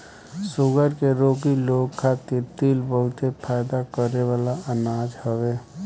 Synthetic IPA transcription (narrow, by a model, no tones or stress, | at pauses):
sʊɡəɾkeɾoːk̬iloɡkʰat̪iɾt̪ilbəɦʊt̪epʰajd̪akəɾeʋaːlaənad͡ʒhəwe